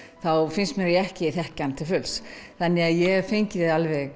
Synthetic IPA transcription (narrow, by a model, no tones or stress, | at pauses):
θawfɪnst̪mɛɾiɛhcɪiθɛhcant̪ʰɪlfʏlsθanːɪɣaðjɛfejɲcɪðɪðalvɛɣ